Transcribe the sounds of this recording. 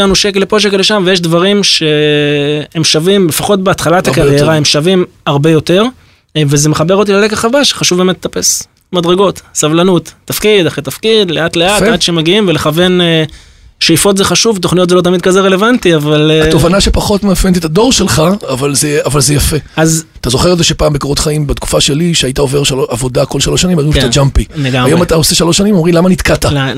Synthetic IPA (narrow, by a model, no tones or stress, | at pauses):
anuʃeklepo̞ʃ̬ekleʃamvejeʃdvaʁimʃe̞ | hemʃavimlefaχo̞t̚beat̪χalat̪akaʁjeʁaemʃavimaʁbe̞jo̞te̞ʁ | vezeme̞χabe̞ʁot̪̬ilalekaχavaʃχaʃuvbemetle̥t̪ape̞s | madʁeɡo̞tsavlanut̪ːafkid̪aχʁet̪afkid̪le̞atleatad̪ʃeemeɡiimveleχave̞ne | ʃejifo̞tzeχaʃuvt̪̬oχnijotzelo̞t̪̬amid̪̚kazeʁe̞le̞vantiavalovanaʃepaχo̞tmeafent̪̬et̪ado̞ʁʃelχaːvalzeavalzejafeazat̪azo̞χeelzeʃepaːmbekoʁot̪χaimbet̪ku̥faʃe̞liʃeajitaoveʁʃaoavo̞d̪ako̞lʃaloʃanimaʁimt̪ad͡ʒampieɡaajomataoseʃaloʃːanimomʁimlamanit̪kat̪aa